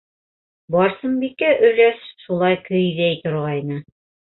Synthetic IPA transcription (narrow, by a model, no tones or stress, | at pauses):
bɑɾsɤmbikæʔɵ̆ɾæsʃulˠɑjkɵ̆jðæjt̪ŏɾʁɑjnɤ